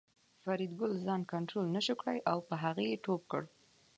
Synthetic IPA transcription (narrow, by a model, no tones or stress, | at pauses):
faɾid̪ɡʊlzɑnkaɳʈɾolnəʃəkɽajʔawpəɦaɣəjeʈop̚kə̰ɽ